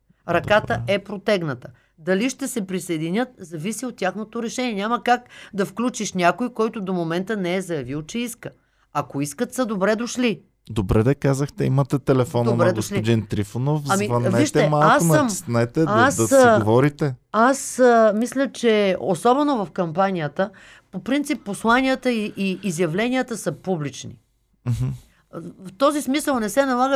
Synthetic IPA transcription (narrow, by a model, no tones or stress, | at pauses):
ɾɐkat̪əɛpɾot̪ɛɡnət̪ə̥ | d̪ɐliʃt̪ɛsɛpɾisɐjd̪inʲɤt̪̚zɐvisiot̪ːʲjaxnot̪oɾɛʃɛnʲiɛnʲaməkakd̪ɐfklʲut͡ʃiʃnʲakojkɔjt̪ʊd̪omomɛnt̪ənɛɛzɐjɐvilˠt͡ʃɛiskə | ɐkoiskət̪səd̪obɾɛd̪oʃli | d̪obɾɛd̪ɐkazəxt̪ɛimɐt̪ɛt̪ɛlɛfɔnonɾɛd̪oslid̪int̪ɾifonofɐmiɐnvɛiʃt̪ɛɛmalˠaksonəmsnɛt̪ɛasɐovɔɾit̪ɛasmislʲət͡ʃɛosɔbɛnovɐfkɐmpanijət̪ə | popɾint̪sipːoslˠaniət̪əiʔːzjɐvlɛnijət̪əsəpublit͡ʃnḭ | m̩ɦ̩ | ft̪ɔzismisəlˠnɛsɛnɐlˠaɡə